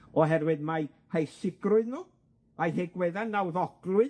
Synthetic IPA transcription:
ɔɦɛrwɪdmaj | hejsɪɡrʊɨðnuː | ajɦeɡwɛðanːawðɔɡ̥lˠʊɨ

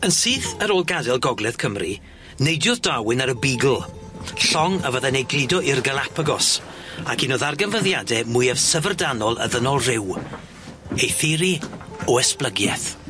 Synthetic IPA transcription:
ənsiːθəɾoːlˠɡadɛlˠɡɔɡlˠɛð̥kʰəmri | nejdjɔðd̥awɪnaɾəbiɡl̩ˠ | ɬɔŋəvəðɛnejɡrɪdɔʔɪrɡəlˠapʰəɡɔs | akinoðarɡənvəðjadɛmʊjav̥səvərdanɔlˠə̰ðənɔlˠrɪw | ejθɪɾiɔɛsplˠəɡjɛ̰θ

